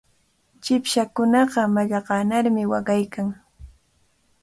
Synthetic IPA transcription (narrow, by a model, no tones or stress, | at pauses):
t͡ʃɪpʃakʊnɑɢɑmaʎɑɢɑːnaɾmɪwɑɢɑjkaŋ